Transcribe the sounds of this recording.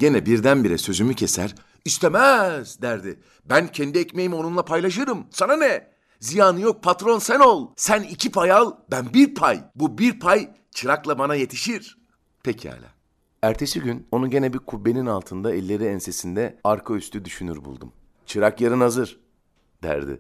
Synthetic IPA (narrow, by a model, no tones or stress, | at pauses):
ɟe̞nɛbiɾd̪ænbiɾɛsø̞zymycʰe̞sæ̰ɾ | ist̪ʰe̞mɛzd̪æɾd̪ɪ | bæncʰɛnd̪iɛcmejimo̞nunˠapʰajlˠaʃɯɾɯmsananɛ | zijaːnɯjo̞k̚pʰat̪ɾo̞nsæno̞lˠsænicʰipʰajalˠbænbiɾpʰajbubiɾpʰaj | t͡ʃʰɯɾaklˠabanaje̞t̪ʰiʃiɾ̥ | pʰecʰiɛ̰lʲɛ̰ː | æɾt̪ʰe̞siɟyno̞nuɟe̞nɛbiɾkʰubːe̞ninalˠt̪ʰɯnd̪aɛlʲːe̞ɾiɛnse̞sind̪ɛaɾkʰayst̪ʰyd̪yʃynyɾbṵlˠd̪ṵm | t͡ʃʰɯɾakjaɾɯnazɯɾ̥ | d̪̥æ̰ɾd̪ɪ̰